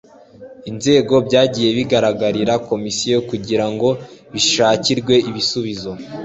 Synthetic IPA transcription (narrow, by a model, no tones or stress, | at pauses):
inze̞ːɡo̞bɟaːɟiːje̞βiɡaɾaɡaɾiɾako̞misijokuɟiɾaŋɡo̞βiʃaːciɾɡwe̞ʔiβisuβizo̞